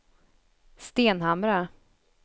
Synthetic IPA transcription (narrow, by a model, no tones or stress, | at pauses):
st̪eːnɦamɾa